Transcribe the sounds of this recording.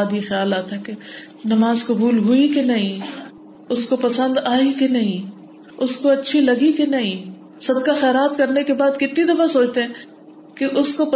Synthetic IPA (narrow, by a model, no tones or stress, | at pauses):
d̪jixjaːlaːt̪ɦɛke | nɐmaːzkɐbuːlɦʊikenɐɦĩ | ʊskopɐsə̃nd̪aːikenɐɦĩ | ʊskoɐtːʃʰilɐɡikenɐɦĩ | sɐd̪kaxɛːɾaːt̪kɐɾnekebaːd̪kɪt̪nid̪ɐfasoːt͡ʃt̪eɦɛ̃ː | keʔʊskop